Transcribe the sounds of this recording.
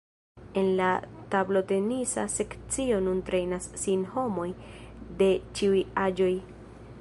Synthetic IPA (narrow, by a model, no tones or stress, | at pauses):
e̞nlatablo̞te̞nisa̰se̞kt͡sio̞nuntɾe̞jnasːinho̞mo̞jde̞t͡ʃiujad͡ʒo̞j